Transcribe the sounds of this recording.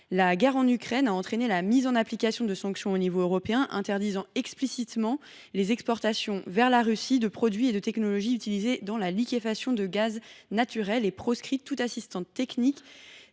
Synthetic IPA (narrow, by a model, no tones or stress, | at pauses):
laɡɛʁɑ̃nykχɛnaɑ̃t̪χenelamizɑ̃naplikasjɔ̃d̪əsɑ̃ksjɔ̃onivoøʁɔpeɛ̃ʔɛ̰̃t̪ɛʁd̪izɑ̃ɛksplisit̪mɑ̃ | lezɛkspɔʁt̪asjɔ̃vɛʁlaʁysid̪əpχɔd̪ɥied̪ət̪ɛknɔlɔʒiyt̪ilized̪ɑ̃lalikʲefasjɔ̃d̪əɡaznat̪yʁɛlepχɔskχit̪ːut̪asist̪ɑ̃t̪ːɛknik